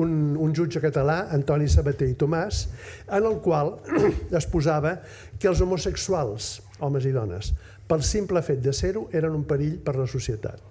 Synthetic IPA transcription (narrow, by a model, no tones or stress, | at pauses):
ununʲʒud͡ʒəkət̪əlaənt̪ɔnisəβət̪eit̪umas | ənəlˠkwalˠəspuzaβə | kəlˠzumusəksualˠs | ɔməziðɔnə̰s | pəlˠsimpləfet̪̚d̪əseɾuʔeɾənumpəɾiʎpəɾləsusiət̪a̰t̪̚